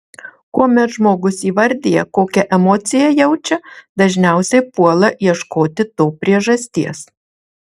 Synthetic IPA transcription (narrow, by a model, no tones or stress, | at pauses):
koːmʲɛt̪ʒmoːɡʊsiːʋɐɾʲd̪ʲeːjɛ̰koːkʲɛʔɛmɔːt̪sʲɪjɛjɛʊt͡ʃʲɛd̪ɐʒʲnʲæˑʊsʲɛɪpuɔlˠɐiɛʃkoːt̪ʲɪt̪oːpʲɾʲiɛʒɐsʲt̪ʲiɛs